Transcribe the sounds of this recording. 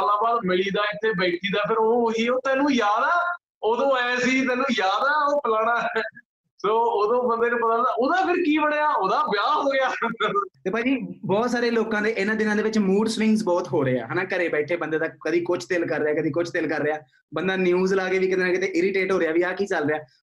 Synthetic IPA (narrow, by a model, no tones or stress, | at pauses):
aːlãːbaːlmɪɭiːd̪aːɪt̪ʰːeːbeːʈʰiːd̪aːpʰɪɾoːɦiːoːt̪ɛːlũːjaːd̪aː | oːd̪õːɛːsiːt̪̬ɛːlũːjaːd̪aːɛoːpəlaːɽ̃ãː | soːoːd̪õːbənd̪eːnũːpət̪aːaːoːd̪aːpʰɪɾkiːbəɽːaːoːd̪aːbjaːɦoːɡɪjaːt̪eːpãːd͡ʒiːbɔːt̪saːɾeːloːkãːd̪eːʔɪnãːd̪ɪnãːd̪eːʋɪt͡ʃmuːɖsʋɪ̃ŋɡsbɔːt̪ɦoːɾeːa̰ːɦɛːnaːkəɾeːbɛːʈʰeːbənd̪eːt̪aːkəd̪iːkʊt͡ʃʰt̪ɪlkəɾːeaːkəd̪iːkʊt͡ʃʰt̪ɪlkəɾːeaː | bənd̪aːnjuːzlaːkeːʋiːkɪt̪eːnakɪt̪eːʔɪɾɪʈeːʈɦoːɾeaːʋiːaːkiːt͡ʃəlɾeaː